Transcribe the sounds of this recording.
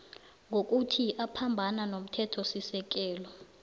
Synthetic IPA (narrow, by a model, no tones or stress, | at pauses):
ŋok̬ʼutʰiʔapʰambʱananom̩tʰɛtʰɔsisɛk̬ʼɛːlɔ